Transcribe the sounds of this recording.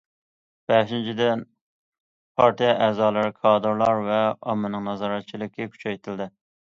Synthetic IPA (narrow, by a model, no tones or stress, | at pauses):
b̥ɛʃint͡ʃʰid̪ɛn | pʰɑɾt̪ijɛʔɛːzɑːlˠɨɾɨkʰɑːd̪ɨɾlˠɑɾvɛɑ̰mːɨnɨŋnɑzɑɾɛt̪̚t͡ʃʰilˠɪkʲːɛkʲʰy̥t͡ʃʰɛjt̪ʰɪld̪ɪ